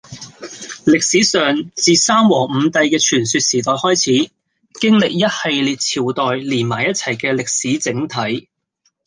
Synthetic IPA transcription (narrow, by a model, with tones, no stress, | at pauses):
lɪ˨k̚siː˨˥sœː˨ŋt͡siː˨saː˥mwɔː˨˩ŋm̩˨˧˦t̪ɐ˧jkɛː˧t͡ʃʰyː˨˩nsyː˧t̚siː˨˩t̪ɔː˨jhɔː˥jt͡sʰiː˨˥ | kɪ˥ŋlɪ˨k̚jɐ˥t̚he˨˧jliː˨t̚t͡sʰiː˨˩wt̪ɔː˨jliː˨˩nmaː˨˩jɐ˥t̚t͡sʰɐ˨˩jkɛː˧lɪ˨k̚siː˨˥t͡sɪ˨˥ŋt̪ʰɐ˨˥j